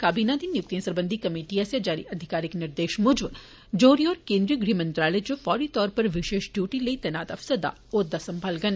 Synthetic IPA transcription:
kaːbiːnad̪injʊk̚t̪ijɐ̃sɐɾbə̃nd̪ʱikɐmeːʈiasjɐd͡ʒaːɾḭʔɐd̪ʱɪkaːɾɪknɪɾd̪eːʃmʊd͡ʒb | d͡ʒoːɾiɔːɾkẽːnd̪ɾiɡɾiːmɐ̃nt̪ɾaːled͡ʒufɔːɾit̪ɔːɾpɐɾʋɪʃeːʃɖjuːʈiləit̪ɛːnaːt̪ɐfsəd̪a̰ | oːd̪asɐmbʱaːlɡɐn

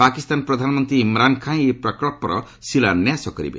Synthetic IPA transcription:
pakist̪anpɾɔd̪ʱanmɔnt̪ɾiːmɾankʰãj̃epɾɔkɾɔpɾɔ̰ | silanjasɔkɔɾḭbḛ

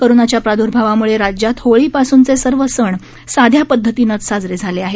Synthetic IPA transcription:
kəɾunat͡ɕjapɾad̪ʱuɾbʱaʋamuɭeɾad͡ʑjat̪hoɭiːpasuːnt͡sesəɾʋəsəɳ | sad̪ʱjapəd̪ʱːət̪iːnət͡ssad͡zɾed͡zʱaleaɦe

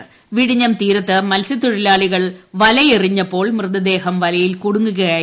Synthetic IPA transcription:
ʋiɽiɲːɐmt̪iːɾɐt̪ːɨmɐlsit̪ːuɻilaːɭiɣɐɭʋɐlɐjeriɲːɐpːo̞ːɭmrɨðɐd̪e̞ːɦɐmʋɐlɐjilkuɽuŋɡuɣɐjaː

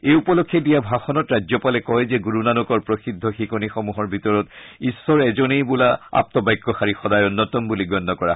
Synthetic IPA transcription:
ejupɔlokʰːjɛdijabʱaxɔnɔtɹazɔpalɛkɔjzɛɡuɹunanɔkɔɹpɹosidʱːɔxikɔnixɔmuɦɔɹbʱitɔɹɔtisːɔɹɛzonejbulaa̰p̚tɔbajkːɔxaɹixɔdajɔnːɔtɔmbuliɡɔnːɔkɔɹa

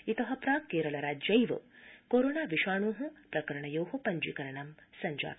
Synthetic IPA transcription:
it̪ɐɦɐpɾaːkeːɾɐɭɐɾaːd͡ʒɐjʋɐ̰koːɾoːnaːʋiʃaːɳuːɦũpɾɐkɐɾɐɳɐjoːɦupɐɲd͡ʒikɐɾɐɳɐmsɐɲd͡ʒa̰ː

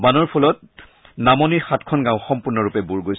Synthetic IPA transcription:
banɔɹpʰulɔt̚ | namɔnixatkʰɔnɡãʊ̃xɔmpuɹnɔɹupɛbuɹɡojs

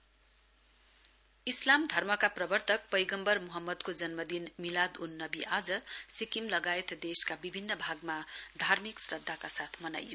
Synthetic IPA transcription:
islamd̪ʱʌrmʌkaprʌbʌrt̪ʌk̚pʌjɡʌmbʌrmuɦʌmːʌd̪kod͡zʌnmʌd̪inmilad̪unːʌbiʔad͡zʌsikimlʌɡaet̪d̪eskabibʱinːʌbʱaɡmad̪ʱarmiksrʌd̪ʱːakasat̪ʰmʌna̰jo

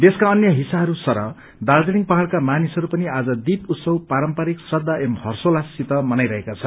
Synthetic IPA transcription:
d̪eskaʌnjʌɦisaɦʌɾusʌɾʌ̰ | d̪ald͡zeniŋpʌɦaɭkamanisʌɾupʌniad͡zʌd̪ip̪ut̪sʌwpaɾʌmpaɾiksrʌd̪ʱːaʔemhʌrsolasit̪ʌmʌnajɾʌɦekat͡sʰʌnn

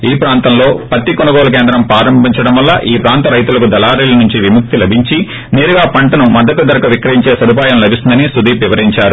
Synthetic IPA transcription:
iːpɾaːnt̪ɐmlo̞ːpɐt̪ːikɔnɐɡɔːlɐk̬eːnd̪ɾɐmpɾaːɾɐmbʱiɲt͡ʃɐɽɐmʋɐlːɐ̰ʔiːpɾaːnt̪ɐɾɐjt̪ulɐkud̪ɐlaːɾiːlɐnuɲt͡ʃiʋimuk̚t̪ilɐbʱiɲt͡ʃi | neːɾuɡaːpɐɳʈɐnumɐd̪ːɐt̪ud̪ɐɾɐkɐʋikɾɐɾiɲt͡ʃe̞ːsɐd̪up̬aːjɐmlɐbʱisind̪ɐnisud̪iːpʋiʋɐɾiɲt͡ʃaːɾu

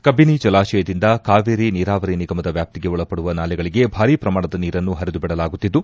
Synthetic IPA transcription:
kɐbinit͡ʃɐlaːʃɛjɐd̪ind̪ɐkaːʋeːɾiniːɾaːʋɐɾiniɡɐmɐd̪ɐʋjaːp̚t̪iɡe̞ɔɭɐpːɐɽuʋɐnaːlɛɡɐɭiɡe̞bʱaːɾiːpɾɐmaːɳɐd̪ɐniːɾɐnːuɦɐɾid̪ubɛɽɐlaːɡut̪ːid̪ːu

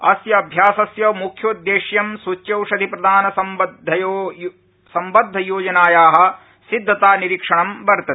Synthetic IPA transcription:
ɐsjɐːbʱjaːsɐsjɐmukʰjɐud̪jeːʃjɐmsut͡ʃjɐwʂɐd̪ʱipɾɐd̪ʱaːnɐsɐ | sɐmbɐd̪ʱːɐjoːd͡ʒɐnaːjaːɦɐ̆ | sid̪ʱːɐt̪aːniɾikʂɐɳɐmbɐɾt̪ɐt̪i̥

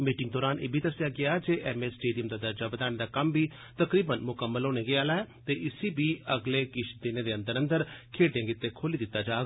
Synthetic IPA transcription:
miːʈɪŋɡd̪ɔːɾaːnʔḛːbʱiːd̪əsjaːɡɪaːd͡ʒeːʔɛmesʈeːɖijəmd̪aːd̪əɾd͡ʒaːbəd̪aːned̪aːkəmbʱiː | t̪əkɾiːbənmʊkəmːəlɦoːneːɡeaːlaːɛːt̪eːʔɪsibʱiːəɡleːkɪt͡ʃʰd̪eːneːd̪eːə̃nd̪əɾə̃nd̪əɾkʰeːɖjãːŋɡɪt̪ːekʰoːliːd̪ɪt̪ːaːd͡ʒaːɡ

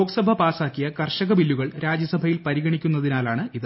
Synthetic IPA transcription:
oːksɐbʱɐpaːsaːkːijɐkɐrʂɐɣɐʋilːuɣɐɭɾʔaːd͡ʑjɐsɐbʱɐjilpɐɾiɣɐɳikʲːunːɐðinaːlaːɳɨiðɨ

